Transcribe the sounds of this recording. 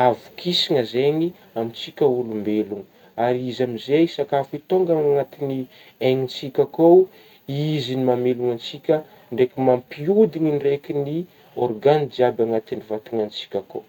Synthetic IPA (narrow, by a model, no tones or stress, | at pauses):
avu̥kʰisiŋəzeŋi | amit͡sikʲəulumbeluŋə | aɾiizamizejsakafit̪oŋɡaŋaŋat̪ini | eŋit͡sikʲakow | izinimameluŋant͡sikʲə | ɳɖ͡ʐekimampiud̪iŋinrekʲini | orɡand͡ʒiabaŋat̪inivat̪iŋant͡si̥kʲako̰